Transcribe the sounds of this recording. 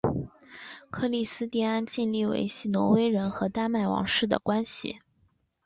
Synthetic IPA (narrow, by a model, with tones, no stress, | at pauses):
kʰɤ˥˧li˥˩sɹ̩˥t̪ɛ˥˧a˥nt͡ɕi˥˧nli˥˩wḛ˧˥ɪɕi˥˩nwɔ˧˥we˥ɪɻə˧˥nxɤ˧˥t̪a˥˧ma˥˩ɪwɑ̰˧˥ŋʂɻ̩˥˩d̪ə̰˩kwa˥nɕḭ˨˩